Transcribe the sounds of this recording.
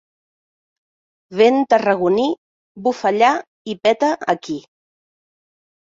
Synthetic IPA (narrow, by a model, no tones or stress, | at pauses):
βent̪ərəɣuni | bufəʎa | ipɛt̪əʔə̰ki